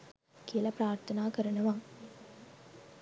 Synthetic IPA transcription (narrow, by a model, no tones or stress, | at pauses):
kiəlɐpɾaːɾt̪ʰɐnaːkɐɾɐnɐʋaŋ